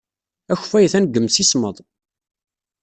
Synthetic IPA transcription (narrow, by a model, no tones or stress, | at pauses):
æçfæjəθænəɡəmsisməðˤ